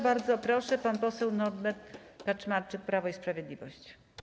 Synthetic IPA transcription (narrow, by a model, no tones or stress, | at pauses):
baɾd̪zɔpɾɔʂɛpanpɔsɛwnɔdmɛt̪kat͡ʂmaɾt͡ʂɘk̚pɾavɔispɾavʲjɛd̪lʲivɔɕt͡ɕ